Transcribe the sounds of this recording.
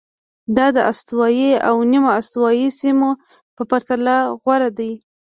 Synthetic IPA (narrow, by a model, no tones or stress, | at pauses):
d̪ɑd̪əʔast̪wɑjia̰wnimoast̪wɑjisimo | pəpaɾt̪alaɣwaɾad̪aj